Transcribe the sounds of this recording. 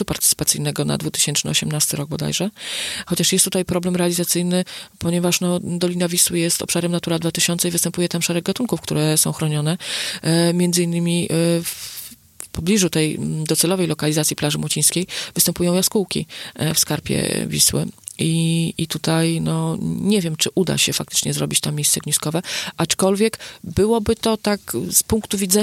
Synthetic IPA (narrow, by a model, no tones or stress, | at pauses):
upaɾt̪ɘ̥t̪sɨ̥pat̪sɘjnɛɡɔna̰d̪vut̪ɘ̥ɕɛnt͡ʂnɘɔɕɛmnast̪ɘɾɔɡ̚bɔd̪a̰jʐɛxɔt͡ɕaʂjɛst̪ːut̪ajpɾɔblɛmɾɛalʲizat̪sɘjnɘpɔɲɛvaʂnɔd̪ɔlʲinavʲiswɘjɛst̪ɔ̰pʂaɾɛmnat̪uɾad̪vat̪ɘɕɔnt̪sɛivɘst̪ɛmpujɛt̪amʂɛɾɛɡ̚ɡat̪uŋkufkt̪uɾɛsɔ̃w̃xɾɔɲɔnɛ | mʲjɛnd̪zɘinːɘmʲif | pɔblʲiʐut̪ɛjd̪ɔt̪sɛlɔvɛjlɔkalʲizat̪sʲiplaʐɘmwɔt͡ɕij̃skʲejvɘst̪ɛmpujɔ̃w̃jaskuwkʲifskaɾpʲjɛ̰vʲḭswɘ̰iit̪ut̪ajnɔɲɛvʲjɛmt͡ʂɘʔud̪a̰ɕɛfakt̪ɘ̥t͡ʂɲɛzɾɔbʲit͡ɕt̪amːʲejst̪sɛɡɲiskɔvɛʔat͡ʂkɔlvʲjɛkbɘwɔbɘt̪ɔt̪akspuŋkt̪uvʲidzɛ